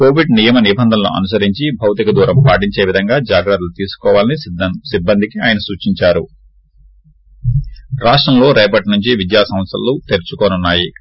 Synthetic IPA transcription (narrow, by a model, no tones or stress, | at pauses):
ko̞ːʋiɖnijɐmɐnibɐnd̪ʱɐnɐlṵʔɐ̰nus̬ɐɾiɲt͡ʃibʱɐwt̪ikɐd̪uːɾɐmpaːʈ̬iɲt͡ʃe̞ːʋid̪ʱɐŋɡaːd͡ʒaːɡɾɐt̪lut̪iːsu̥kɔːʋaːlɐnisibːɐnd̪ʱikiaːjɐnɐsuːt͡ʃiɲt͡ʃaːɾu | ɾaːʂʈɾɐmlo̞ːɾɛːpɐʈnuɲt͡ʃiʋid̪jaːsɐmɐt̪sɐ̰lːut̪eɾt͡ʃukoːnunːaːji